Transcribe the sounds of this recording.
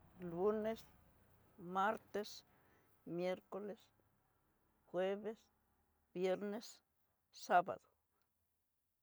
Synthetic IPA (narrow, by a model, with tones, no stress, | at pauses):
lu˦ne˦s | maɾt̪e˦s | mje˦ɾko˧les | xwe˦βe˦s | b̥je˦ɾne˦sː | aba̰d̪o̥˨